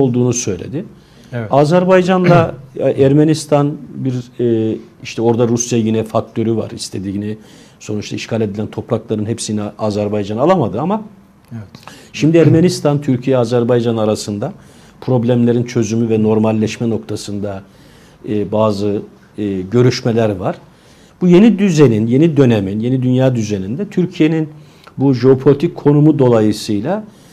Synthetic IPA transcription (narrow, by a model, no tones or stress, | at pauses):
olˠd̪uːnusø̞jlʲḛd̪ɪ | aːzæɾbajd͡ʒand̪ˠaʔæɾmenist̪ʰanbiɾ | iʃt̪ʰɛo̞ɾd̪aɾusjajinɛfak̚t̪ʰø̞ɾyva̰ɾist̪ʰe̞d̪ini | so̞nut͡ʃt̪ʰaiʃkʰalʲe̞d̪ilʲænt̪ʰo̞pɾaklˠaɾɯnɦepsinɛaːzæɾbajd͡ʒanalˠamad̪ɯama | ʃimd̪iæɾmenist̪ʰant̪ʰyɾcʰijɛaːzæɾbajd͡ʒanaɾasɯnd̪a | pʰɾo̞blʲæmlʲe̞ɾint͡ʃʰø̞zymyvɛno̞ɾmalʲːɛʃmɛno̞k̚t̪ʰasɯnd̪a | baːzɯː | ɟø̞ɾyʃmelʲæɾvaɾ̥ | b̥uje̞nid̪yze̞ninje̞nid̪ø̞neminje̞nid̪ynjaːd̪yze̞nind̪ɛt̪ʰyɾcʰije̞nin | buʒeo̞pʰo̞lʲit̪ʰic̚kʰo̞numud̪o̞lˠajɯsɯjlʲˠa